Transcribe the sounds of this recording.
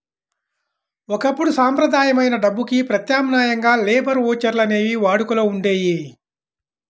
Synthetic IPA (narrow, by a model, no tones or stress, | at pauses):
ɔkɐpːuɽusaːmpɾɐd̪ʱaːjɐmɐjnɐɖɐbːukipɾɐt̪jaːmnaːjɐŋɡaːleːbɐɾoːt͡ʃɐɾlɐne̞ːʋiʋaːɽukulɐuɳɖeːji